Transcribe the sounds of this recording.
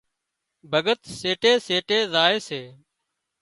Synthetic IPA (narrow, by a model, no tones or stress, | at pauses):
bʱəɠət̪seːʈeːseːʈeːzaːeːseː